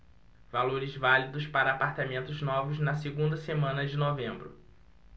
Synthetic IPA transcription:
valoɾɪzvalid̪ʊspaɾɐːpaɾt̪amẽnt̪ʊznɔvʊznɐseɡũnd̪ɐsemɐ̃nɐd͡ʒɪnovẽmbɾʊ

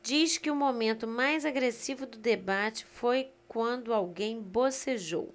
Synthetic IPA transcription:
d͡ʒiʃkɪʊmomẽnt̪ʊmajzaɡɾesivʊd̪ʊd̪ebat͡ʃɪ̥fojkwɐ̃nd̪ʊawɡẽj̃boseʒo̰w

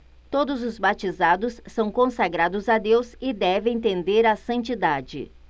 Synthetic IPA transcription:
t̪od̪ʊzʊzbat͡ʃizad̪ʊsːɐ̃w̃kõsaɡɾad̪ʊzad̪ewzɪd̪ɛvẽj̃t̪̬ẽnd̪eɾasɐ̃nt͡ʃid̪ad͡ʒɪ̰

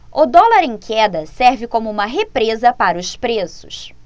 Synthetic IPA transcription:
ʊd̪ɔlaɾẽj̃kʰɛd̪ɐsɛɾvɪkõmʊũmɐɦepɾezɐpaɾɐʊspɾesʊ̥s

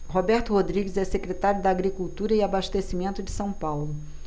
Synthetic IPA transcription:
ɦobɛɾt̪ʊhod̪ɾiɡɪzɛsekɾet̪aɾjʊd̪aːɡɾikuwt̪uɾɐiabaʃt̪esimẽnt̪ʊd͡ʒɪsɐ̃w̃pawlʊ

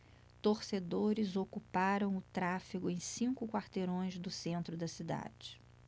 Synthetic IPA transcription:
t̪oɾsed̪oɾɪzokupaɾɐ̃w̃ʊt̪ɾafiɡʊẽj̃sĩkʊkwaɾt̪eɾõj̃zd̪ʊsẽnt̪ɾʊd̪ɐsid̪a̰d͡ʒɪ

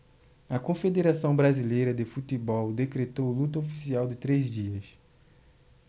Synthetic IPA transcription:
ɐkõfed̪eɾasɐ̃w̃bɾazilejɾɐd̪ɪfut̪ibɔwd̪ekɾet̪owlut̪ɐofi̥siawd̪ɪt̪ɾezd͡ʒiɐs

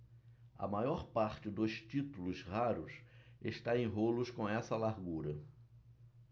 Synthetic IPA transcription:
ɐ̰majɔɾpaɾt͡ʃɪd̪ʊʃt͡ʃit̪ulʊshaɾʊsḛʃt̪aẽj̃ɦolʊskõɛsɐlaɾɡuɾɐ

